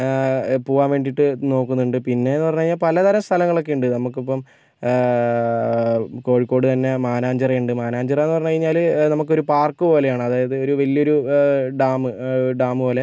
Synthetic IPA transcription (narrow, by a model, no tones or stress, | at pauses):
puːʋaːmʋe̞ːɳɖiʈːɨno̞ːkːunːuɳɖɨpinːe̞enːɨpɐrɲːuɐiɲːaːlpɐlɐt̪ɐɾɐmst̪ʰɐlɐŋːɐɭo̞k̬ːeuɳɖɨnɐmukːipːɐm | ko̞ːɻikːo̞ːɽɨt̪ɐnːe̞maːnaːɲd͡ʑɐrɐuɳɖɨmaːnaːɲd͡ʑɐrɐenːɨpɐrɐɲːuɐɻiɲːaːlnɐmuk̬ːo̞ɾupaːrkːɨpo̞ːle̞jaːɳɨɐðaːjɐðɨo̞ɾuʋɐlːijo̞ɾuɖaːmɨɖaːmɨpoːle